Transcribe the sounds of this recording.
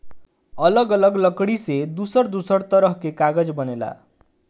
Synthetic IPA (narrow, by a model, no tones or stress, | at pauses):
ʌlʌɡʌlʌɡlʌkɽised̪usʌrd̪usʌrt̪ʌɾʌɦkekaɡʌd͡zbʌnela̰